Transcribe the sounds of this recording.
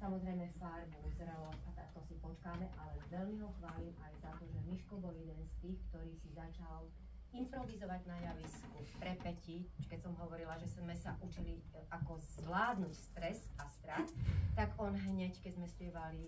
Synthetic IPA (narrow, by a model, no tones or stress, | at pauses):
samɔzɾɛjmɛfaɾbuzɾɛlɔʔat̪at̪ɔsipɔt͡ʃkaːmɛʔalɛʋɛlmiɦɔxʋaːlimʔajzat̪ɔʒɛmiʃkɔbɔljɛd̪ɛnst̪iːxkt̪ɔɾiːsizat͡ʃal | impɾɔʋizɔʋaɟnajaʋiskupɾɛpɛcikɛcsɔmɦɔʋɔɾilaʒɛzmɛsaʔut͡ʃiliʔakɔzʋlaːd̪nucst̪ɾɛsast̪ɾat̪t̪aɡɔnɦɲɛckɛɟzmɛspɪjɛʋali